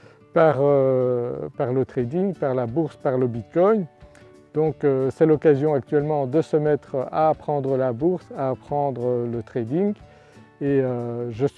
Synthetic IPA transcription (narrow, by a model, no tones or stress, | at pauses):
paʁø | paʁlət̪χed̪iŋɡpaʁlabuʁspaʁləbit̪̚kɔj | d̪̥ɔ̃køsɛlɔkazjɔ̃ak̚t̪ɥɛlmɑ̃d̪əsəmɛt̪χaːpχɑ̃d̪ʁəlabuʁsaːpχɑ̃d̪ʁələt̪χed̪iŋɡ | eøʒəs